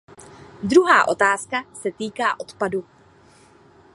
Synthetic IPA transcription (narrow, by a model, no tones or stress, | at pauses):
d̪ɾuɦaːʔo̞t̪aːskasɛt̪iːkaːʔo̞t̪padu